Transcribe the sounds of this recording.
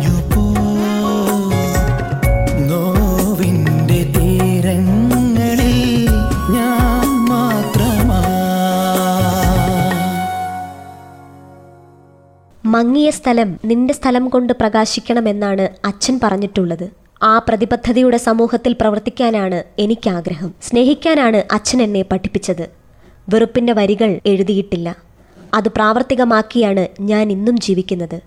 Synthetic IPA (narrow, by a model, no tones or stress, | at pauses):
jupo | noʋinde̞t̪i | ɾɐŋː | ɐɭi | ɲaːnmaːt̪rɐma | mɐŋːijɐst̪ʰɐlɐmninde̞st̪ʰɐlɐmko̞ɳɖɨprɐɣaːɕikʲːɐɳɐme̞nːaːɳɨɐt͡ɕːɐnpɐrɐɲːiʈːuɭːɐðɨ | aːprɐðibɐd̪ʱːɐðijuɽe̞sɐmuːhɐt̪ːilprɐʋɐrt̪ːikʲːaːnaːɳɨe̞nikʲːaːɡɾɐɦɐmsne̞ːɦikʲːaːnaːɳɨʔɐt͡ɕːɐne̞nːe̞pɐʈʰːi̥pːit͡ɕːɐðɨ | ʋirupːinde̞ʋɐɾiɣɐɭe̞ɻuðijiʈːilːɐ | ɐðɨpraːʋɐrt̪ːiɣɐmaːkːijaːɳɨɲaːninːumd͡ʑiːʋikʲːunːɐðɨ